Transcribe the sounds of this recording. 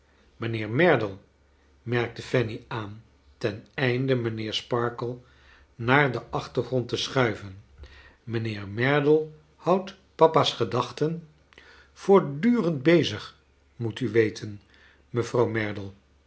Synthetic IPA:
mənɪːɹmɛɹdəlˠ | mɛɹk̚təfɛniaːn | tɛnɛjndəmənɪːɹspɑɹkəlˠ | naːɹdəʔɑχtəχrɔntəsχœɥvən | mənɪːɹmɛɹdəlˠ | hʌwt | pɑpasχədɑχtən | fʊːɹdyːrənd̚bejzəχ | mutyʋejtʰən | məvrɑwmɛɹdəlˠ

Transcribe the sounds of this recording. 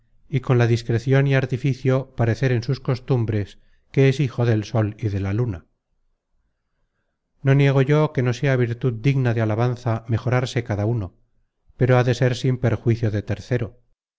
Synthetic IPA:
iko̞nlaðiskɾe̞θjo̞niaɾt̪ifiθjo̞paɾe̞θe̞ɾe̞nsusko̞st̪umbɾe̞s | ke̞esixo̞ðe̞lso̞liðe̞laluna | no̞nje̞ɣ̞o̞ʝo̞ke̞no̞se̞aβ̞iɾt̪uðd̪iɣnaðealaβ̞anθame̞xo̞ɾaɾse̞kaðauno̞ | pe̞ɾoaðe̞se̞ɾsimpe̞ɾxwiθjo̞ðe̞t̪e̞ɾθe̞ɾo̞

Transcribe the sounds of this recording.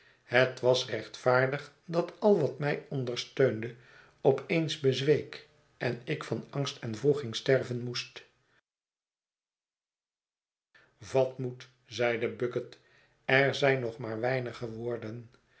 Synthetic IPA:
ɦətʋɑsrɛχtfaːɹdəχ | dɑtɑlˠʋɑtmɛjɔndərstøɥndə | ɔpejnzbəzʋejk | ʔɛnɪkfɑnɑŋstʰɛnvruχɪŋstɛrvənmust | vɑtmut | zɛjdəbøkət | ɛɹzɛjnɔχmaːɹʋɛjnəχəʋʊːɹdən

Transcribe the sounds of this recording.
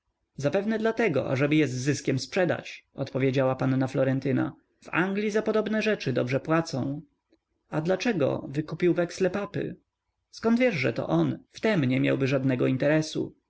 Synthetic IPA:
zapɛvnɛd̪lat̪ɛɡɔ̰ʔa̰ʐɛbɘjɛzːɘskʲɛmspʂɛd̪a̰t͡ɕɔt̪pɔvʲjed͡ʑawapanːaflɔɾɛnt̪ɘna̰ | va̰ŋɡlʲizapɔd̪ɔbnɛʐɛt͡ʂɘd̪ɔbʐɛpwat̪sɔ̃w̃ | ad̪lat͡ʂɛɡɔ̰vɘkupʲiwvɛkslɛpapɘ̰ | skɔnd̪vjɛʐʐɛ̰t̪ɔ̰ʔɔnft̪ɛmɲɛmʲja̰wbɘʐad̪nɛɡɔint̪ɛɾɛsṵ

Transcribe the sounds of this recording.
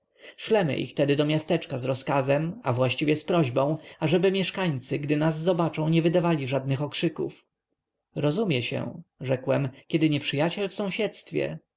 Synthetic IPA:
ʂlɛmɘ̰ʔḭxt̪ɛd̪ɘd̪ɔmʲjast̪ɛt͡ʂkazɾɔskazɛma̰vwaɕt͡ɕivʲjɛspɾɔʑbɔ̃w̃aʐɛbɘmʲjɛʂkaɲt̪sɘɡd̪ɘnazːɔbat͡ʂɔ̃w̃ɲɛvɘd̪avalʲiʐad̪̚nɘxɔkʂɘkṵf | ɾɔzumʲjɛɕɛ̰ʐɛkwɛmkʲɛd̪ɘɲɛpʂɘjat͡ɕɛlfsɔ̃w̃ɕɛt̪st̪fʲjɛ̰

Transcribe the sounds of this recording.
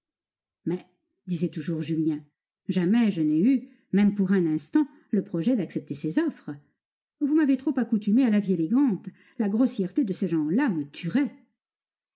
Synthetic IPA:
mɛ | d̪izɛt̪uʒuʁʒyljɛ̃ | ʒamɛʒənɛy | mɛmpuʁɛ̃nɛ̃st̪ɑ̃ | ləpχɔʒɛd̪aksɛp̚t̪esezɔfχə | vumavet̪χopakut̪ymealavieleɡɑ̃t̪ | laɡʁɔsjɛʁt̪ed̪əseʒɑ̃lamət̪ʰyʁɛ

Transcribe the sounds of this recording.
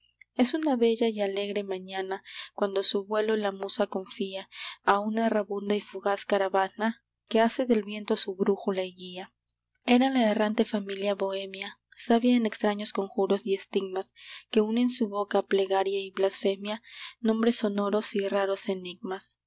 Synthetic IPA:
e̞sunaβe̞ʝaiale̞ɣɾe̞mãɲanakwand̪o̞suβwe̞lolamusako̞ɱfiaaunaraβund̪aifuɣaskaɾaβana | ke̞ase̞ðe̞lβje̞nt̪osuβɾuxulaiɣia | e̞ɾalaerant̪e̞familjaβo̞e̞mja | saβjaene̞kst̪ɾaɲo̞sko̞ŋxuɾo̞sie̞st̪iɡmaske̞une̞nsuβo̞kaple̞ɣaɾjaiβlasfe̞mjanõ̞mbɾe̞so̞no̞ɾo̞siraɾo̞se̞niɡmas

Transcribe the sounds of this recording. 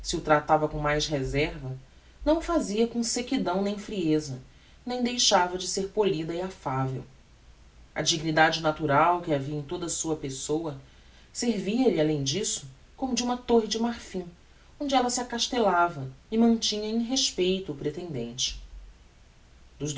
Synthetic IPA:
siʊt̪ɾat̪avɐkõmajsɦezɛɾvɐ | nɐ̃w̃ʊfaziɐkõsekid̪ɐ̃w̃nẽj̃fɾiezɐ | nẽj̃d̪ejʃavɐd͡ʒɪseɾpolid̪ɐiafavew | ɐ̰d͡ʒiɡnid̪ad͡ʒɪnat̪uɾawkɪaviɐẽj̃t̪od̪ɐsuɐpesowɐ | seɾviɐlalẽj̃d͡ʒisʊ̥ | kõmʊd͡ʒɪũmɐt̪oɦɪd͡ʒɪmaɾfĩ | õd͡ʒɪɛlɐsiakaʃt̪elavɐɪmɐ̃nt͡ʃĩɲɐẽj̃ɦeʃpejt̪ʊːpɾet̪ẽnd̪ẽnt͡ʃɪ̥ | d̪ʊʒd̪

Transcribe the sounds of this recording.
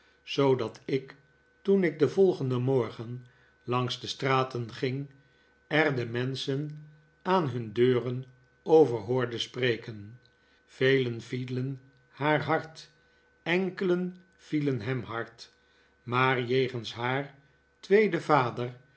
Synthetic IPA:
z̥owdɑtɪk | tunɪɡ̚dəvɔlˠχəndəmɔɹχən | lɑŋsdəstraːtənχɪŋ | ɛrdəmɛnsən | aːnɦɵndøːrən | owvəɹɦʊːɹdəsprejkən | v̥ejlənvilən | haːɹɦɑɹt | ɛŋkələn | v̥ilənɦɛmɦɑɹt | maːɹjejχənsɦaːɹ | tʋejdəvaːdər

